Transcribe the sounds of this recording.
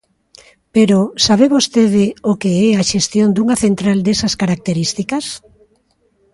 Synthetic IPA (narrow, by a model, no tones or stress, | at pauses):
peɾosaβeβost̪eð̞ɪokeɛaʃest̪jond̪uŋɐθent̪ɾald̪esɐskaɾak̚t̪eɾist̪ikɐs